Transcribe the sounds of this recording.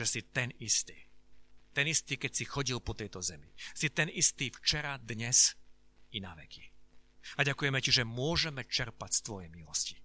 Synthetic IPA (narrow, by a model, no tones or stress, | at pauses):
ʒɛsit̪ɛnist̪iːt̪ɛnist̪iːkɛcsixɔɟilpɔt̪ɛjt̪ɔzɛmḭsit̪ɛnist̪iːft͡ʃɛɾad̪ɲɛz | inaʋɛ̰kʰi̥ | aɟakujɛmɛciʒɛmʊɔʒɛmɛt͡ʃɛɾpacst̪ʋɔjɛjmilɔsci̥